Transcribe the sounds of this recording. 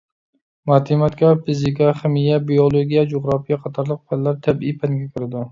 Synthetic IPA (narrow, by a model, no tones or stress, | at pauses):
mat̪ʰimat̪kʰʲaɾfɪzikʰaχɪmijabiolˠoɡʲijad͡ʒoʁɾɑfijaqʰɑt̪ʰaɾlˠɨq̚pʰallːaɾt̪ʰabɪpʰanɡʲakʲʰɪɾɪd̪ɪ